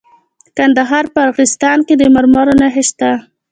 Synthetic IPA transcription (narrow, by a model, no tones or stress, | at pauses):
kand̪aɦɑɾpəaɾɣɪst̪ɑnked̪əmaɾmɑɾonaɦɪʃt̪a